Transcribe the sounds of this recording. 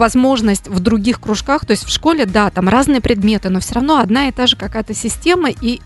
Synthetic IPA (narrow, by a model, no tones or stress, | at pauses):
vɐzmo̞ʐnəsʲtʲvd̪ɾʊɡʲixkɾʊʂkaxt̪o̞ɪsʲtʲfʂko̞lʲɪd̪at̪amrʔaznɨjəpɾʲɪd̪mʲe̞t̪ɨno̞fsʲoɾɐvn̪o̞ɐd̪naɪt̪aʐɨkɐkajət̪əsʲɪsʲtʲe̞məi